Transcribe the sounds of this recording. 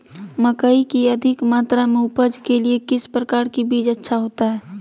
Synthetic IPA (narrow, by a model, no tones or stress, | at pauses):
mɐkəikiɐd̪ʱɪkmaːt̪ɾamẽʊpəd͡ʒkeliekɪspɾəkaːɾkibiːd͡ʒɐtːʃʰaɦoːt̪aɦɛː